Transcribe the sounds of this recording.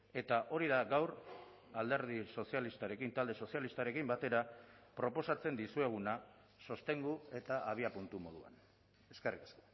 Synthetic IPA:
e̞t̪aʔo̞ɾiðaɡawɾ | ald̪e̞ɾð̞iso̞sialist̪aɾe̞kint̪ald̪e̞so̞sialist̪aɾe̞kimbat̪e̞ɾapɾo̞po̞sat͡se̞nd̪isue̞ɣ̞una | so̞st̪e̞ŋɡue̞t̪aʔaβ̞iapunt̪umo̞ð̞ua̰n | e̞skerikḁsko̥

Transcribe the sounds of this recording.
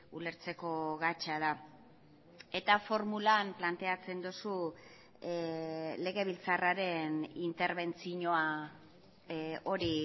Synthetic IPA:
ule̞ɾt͡se̞ko̞ɣat͡ʃaða | e̞t̪afo̞ɾmulamplant̪e̞at͡se̞nd̪usu | le̞ɣe̞β̞ilt͡saraɾe̞nint̪e̞ɾβe̞nt͡siɲo̞a | o̞ɾi

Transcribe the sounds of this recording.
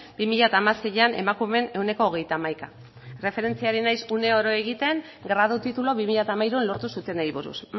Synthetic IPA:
b̥imiʎat̪aːmaseʎane̞̰makume̞ne̞wne̞ko̞ːɣ̞e̞jt̪aːmajka | re̞fe̞ɾe̞nt͡siaɾinajsune̞oɾo̞e̞ɣ̞it̪e̞ŋ | ɡɾað̞ut̪it̪ulo̞βimiʎat̪amajɾuenlo̞ɾt̪usut̪e̞najβuɾṵs

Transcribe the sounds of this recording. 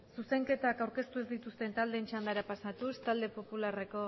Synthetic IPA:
suse̞ŋke̞t̪akawɾke̞st̪uezd̪it̪ust̪e̞nt̪ald̪eːnt͡ʃand̪aɾapasat̪ust̪ald̪e̞po̞pulare̞ko̞

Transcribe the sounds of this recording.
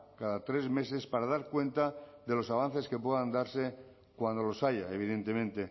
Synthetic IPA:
kaðat̪ɾe̞zme̞se̞spaɾaðaɾkwe̞nt̪aðe̞lo̞saβ̞an̟θe̞ske̞p̬we̞ðand̪aɾse̞ | kwand̪o̞lo̞saʝaeβ̞iðe̞nt̪e̞mẽnt̪e̞

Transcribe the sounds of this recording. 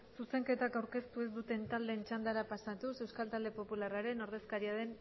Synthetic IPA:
suse̞ŋke̞t̪akawɾke̞st̪ue̞zd̪ut̪e̞nt̪ald̪e̞ːnt͡ʃand̪aɾapasat̪use̞wskalt̪ald̪e̞po̞pularaɾe̞no̞ɾð̞e̞skaɾiað̞e̞n

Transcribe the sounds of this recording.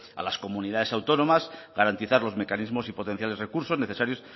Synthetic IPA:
a̰lasko̞muniðaðe̞sawt̪o̞no̞mazɣaɾant̪iθaɾlo̞zme̞kanizmo̞sipo̞t̪e̞n̟θjale̞zrekuɾsone̞θesaɾjo̞s

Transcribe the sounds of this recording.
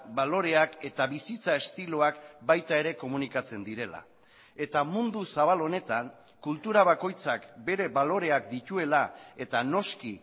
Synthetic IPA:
balo̞ɾe̞ake̞t̪aβisit͡sae̞st̪iloakbajt̪ae̞ɾe̞ko̞munikat͡se̞nd̪iɾe̞la̰ | e̞t̪amund̪usaβalo̞ne̞t̪aŋ | kult̪uɾaβ̞ako̞jt͡sakbe̞ɾe̞βalo̞ɾe̞akd̪it̪ue̞lae̞t̪ano̞ski

